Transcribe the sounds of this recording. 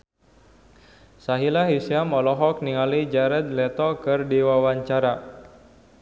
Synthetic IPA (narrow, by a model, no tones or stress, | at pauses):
saɦilaɦisiamɔlɔɦɔk̚niŋalid͡ʒaɾɛd̪̚lɛt̪ɔkɨrdiwawaɲt͡ʃaɾa